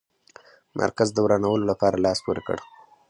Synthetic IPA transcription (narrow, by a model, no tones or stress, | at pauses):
mʔa̰ɾkazd̪əwɾanawəlolapɑɾalɑspoɾekə̰ɽ